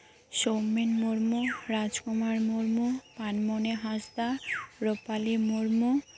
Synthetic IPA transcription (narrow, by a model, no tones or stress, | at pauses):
ʃomːenmuɾmuɾad͡ʑkomaɾmuɾmupanmoneɦasd̪aɾopalemuɾmu